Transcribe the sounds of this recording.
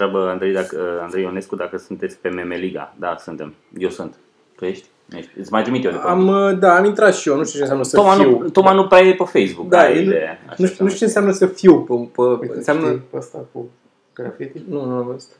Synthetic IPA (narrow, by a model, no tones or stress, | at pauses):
ɾabəand̪ɾejd̪akəand̪ɾejoneskud̪akəsunt̪et̪sʲpe̞memeliɡa̰d̪a̰sunt̪e̞m | jewsɨnt̪ | t̪ujeʃt̪ʲ | eʃt̪ʲɨtsʲmajt̪ɾimit̪jeod̪eaməd̪aːmint̪ɾat̪ʃijonuʃt̪ut͡ʃe̞ns̬ʲamnəsəomanuiwt̪omanupɾajepəfejzbukkd̪aeieja̰nuʃt̪nuʃt̪ut͡ʃensjamnəsəfiwpəpəɨ̰nseamnəəst̪aku | ɡɾafit̪inunuaməst̪a